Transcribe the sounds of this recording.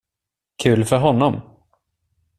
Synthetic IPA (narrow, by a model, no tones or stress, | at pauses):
kʰʉ̟ːlfœɾɦɔnːɔm